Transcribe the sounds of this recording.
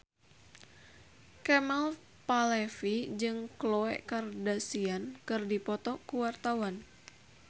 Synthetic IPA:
kɛmal | palɛfid͡ʒɨŋklɔɛ̰ʔkardasiankɨrdipɔt̪ɔkuwart̪awan

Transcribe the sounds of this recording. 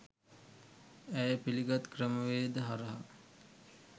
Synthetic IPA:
æjəpiliɡat̪krəməʋeːd̪əɦaɾəɦa̰

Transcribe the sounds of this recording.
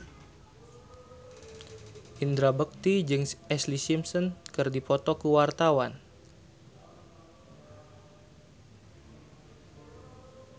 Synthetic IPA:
ʔind̪ɾabək̚t̪id͡ʒɨŋʔɛslisimsɔnkərdipɔt̪ɔkuwart̪awan

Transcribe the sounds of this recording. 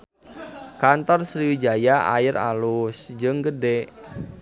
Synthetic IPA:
kant̪ɔrsɾiwid͡ʒajaa̰ɪɾa̰lusd͡ʒɨŋɡədɛ

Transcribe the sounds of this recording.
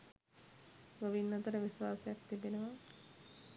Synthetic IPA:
ɡoʋinːɐt̪əɾəʋisʋaːsejak̚t̪ibenəʋa

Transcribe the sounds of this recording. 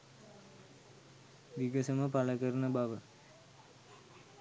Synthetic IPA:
ʋiɡəsəməpaləkəɾənəbaʋə

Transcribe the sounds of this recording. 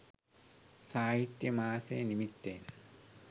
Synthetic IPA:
saːɦit̪jɐmaːsḛːnimit̪ːeːn

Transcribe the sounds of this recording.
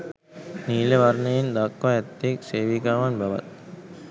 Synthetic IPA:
niːleʋɐɾnɐjɪnd̪aːkːajɐt̪ːekseːʋikaːʋaːnbʱɐʋɐ̰t̪̚

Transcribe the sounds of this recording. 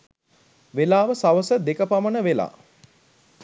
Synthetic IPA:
ʋelaːʋəsaʋəsəd̪ekəpamənəʋela̰ː

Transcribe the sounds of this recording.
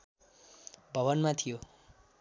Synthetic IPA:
bʱʌβʌnmat̪ʰijo

